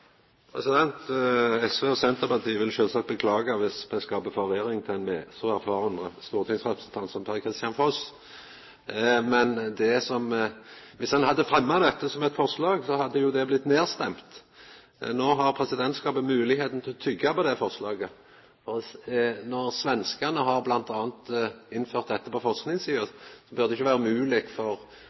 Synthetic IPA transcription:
pʰɾʁɛsɪd̪ɛnt̪ɛsʋeːɔsɛnt̪əpɑʁt̪ʰiːəʋɪlʃøːlsɑkt̪̚bəkʰlɑːɡɑʋɪsbɛskɑːpəfɔɾʋɪɾɪŋt̪ʰɪɛnmeːsɔæɾfɑːʁənʁəst̪uːʁt̪ʰɪŋsʁɛpɾəsənt̪ʰɑnt̪sɔmpʰɛɾkʰʁɪst̪jɑnfɔs | mɛnd̪ɛsɔm | ʋɪshɑnhɑd̪ːəfɾɛmːad̪ɛt̪ːəsɔmɛt̪fɔʁʂlɑːɡsɔhɑd̪ːəjʊd̪ɛblɪt̪ːneːʁst̪ɛmt̪ | noːɦɑʁpʰɾɛsɪd̪ɛnt̪skɑːpət̪mʉːlɪheːt̪n̩t̪ʰɪlɔt̪ʰʏɡːɑpɔd̪ɛfɔʁʂlɑːɡə | fɔ | nɔʁsʋɛnskəʁnəɦɑʁblɑnt̪ɑːnt̪ɪnːføːʁt̪̚d̪ɛt̪ːəpɔfɔlsknɪŋsiːəsɔbœɾd̪ɛɪçːəʋæːɾəmʉːlɪkfɔʁ

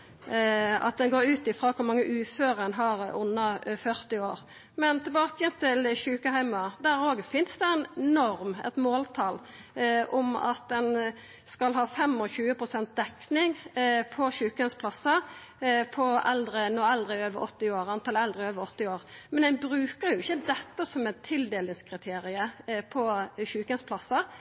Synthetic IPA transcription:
ɑ̰t̪̚d̪ɛnɡoːɾʉːt̪ɪfʁoːkʰʊɾmɑŋːəʔʉːføːʁəɛnɦɑɾʊnːɑfœʁt̪ɪoːɾ | mɛnt̪ʰɪlbɑːkəjənt̪ʰɪlçʉːkəhæɪmɑd̪æɾoːɡfɪnsd̪ɛæɪnnɔɾmɛ̰t̪moːlt̪ʰɑːlʔɔmɑ̰t̪̚d̪ɛn | skɑlɦɑːfɛmɔçʉːəpʰɾʊsɛnt̪̚d̪ɛknɪŋpʰɔɕʉːkəənspʰlɑsːɑ | pʰɔɛld̪ɾənɔɛld̪ɾəɪøːʋəɾɔt̪ːɪoːɾɑnt̪ʰɑlɛld̪ʁəɪøːʋəɾɔt̪ːɪoːɾmɛnɛɪnbɾʉːkəɾjʊɪçːəd̪ɛt̪ːəsɔmɛt̪ʰɪld̪eːlɪŋskʰʁɪt̪ʰeːɾɪəpʰɔçʉːkənspʰlɑsːɑ

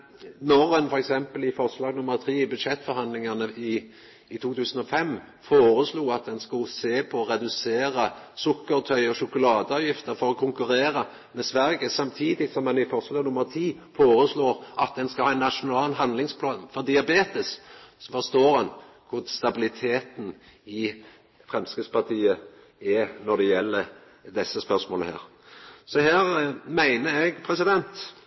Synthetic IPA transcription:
nɔɾɛnfɔɾɛksɛmpəlɪfɔʁslɑːɡnʊmːəɾt̪ʰʁiːɪbʉd̪ʃɛt̪ːfɔɾhɑnd̪lɪŋɑnəʔɪː | t̪ʰuːt̪ʰʉːsənɔfɛmː | foːɾəsluːɑt̪̚d̪ɛnskʊlseːpʰɔɔʁɛd̪ʉseːɾəsʊkːəɾt̪ʰœʏɔʃʊkʊlɑːd̪əɑːʋjɪft̪əɾfɔɾɔkʰʊŋkʉɾeːɾə | mɛsʋæɾɡəsɑmt̪ʰiːd̪ɪsɔmːɛnɪfɔɾslɑːɡnʊmːəʁt̪ʰiː | foːɾəsloːɾʔɑt̪̚d̪ɛnskɑhɑːɛnːɑʃʊnɑːlnɦɑnd̪lɪŋspʰʊɑnfɔɾd̪ɪɑbeːt̪əsfɔɾst̪oːɾɑn | kʰʊɾst̪ɑbɪlɪt̪ʰeːt̪n̩ | ɪ | fɾɛmskəspʰɑʁt̪ʰiːə | ɛnɔd̪ɛjɛlːə | d̪ɛsːəspœsmoːləhæ̰ːɾ | sɔhæːɾmæɪnəɾɛɡpʰɾɛsɪd̪ɛnt̪

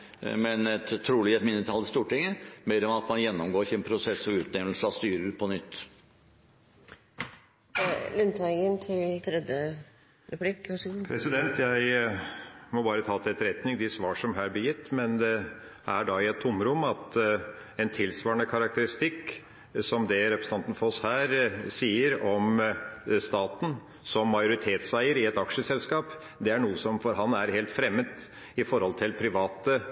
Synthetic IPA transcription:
mɛnɛt̪t̪ʰːɾuːlɪɛt̪mɪnːət̪ʰɑld̪əst̪uːʈɪŋːəmeːɾɔmɑt̪mɑnjɛnːɔmɡoːɾɪçəɛnpʰɾʊsɛsːɔʋʉːt̪nɛʋlsəɑst̪yːɾəɾpʰɔnʏt̪ː | lʉnt̪ʰɑɪɡənt̪ʰɪlt̪ʰɾɛd̪jə | ɾɛpʉlɪkːʋɑʂupʰɾɛsɪd̪ɛnt̪ʰjæɪ | mɔbɑːɾət̪ʰɑːt̪ʰɛɛt̪ːɾɛt̪nɪŋd̪ɪsʋɑːʂɔmɦæɾbəjɪt̪ːmɛnd̪ɛ | æɖɑɪɛt̪ʰːʊmɾʊmːɑt̪ | ɛnt̪ʰɪlsʋɑːəɳəkʰɑɾɑk̚t̪əɾɪst̪ɪkː | sɔmd̪ɛɾɛpɾsn̩ɑnt̪n̩fɔɔshæːɾsiːəɾɔm | st̪ɑːt̪n̩ | sɔmːɑɪʊɾɪt̪ʰeːt̪sæɪəɾɪɛt̪ɑkʂəsɛlskɑːp | d̪ɛæɳuːəsɔmfɔɾɦɑnæɾɦeːlt̪fɾɛmːəd̪ | ɪfɔɾhɔlt̪ʰɪlpʰɾɪʋɑːt̪ə

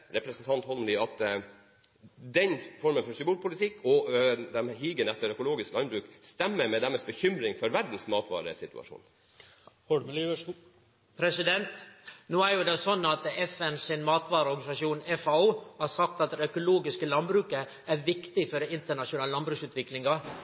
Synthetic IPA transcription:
ɾɛpɾɛsn̩t̪ʰɑnt̪hɔlmlɪɑt̪ | d̪ɛnfɔɾmənfɔʂɪbuːlpʰʊlɪt̪ʰɪkːɔd̪ɛmhiːɡənɛt̪ːəɾœkʊloːɡɪsklɑnbɾʉːkst̪ɛmːəɾmɛd̪ɛməsbəçʏmɾɪŋfɔɾʋæɾd̪n̩smɑːt̪ʋɑ̰ːɾə̰sɪt̪ʉ̰ɑ̰ʂṵːn | hɖlːʋə | pʰɾɛsɪd̪ɛnt̪noːæɾjʊd̪ɛsɔnːɑt̪ɛfɛnsɪnmɑːt̪ʋɑːɾəɔɾɡɑnɪsɑʂjuːnɛfɑuːhɑɾsɑk̚t̪ɑt̪d̪ɛœkʊloːɡɪskəlɑnbɾʉːkə | æɾʋɪkt̪ɪfɔɖɛɪnt̪əɳɑʂʊnɑːləlɑnbɾʉːksʉːt̪ʋɪklɪŋɑ

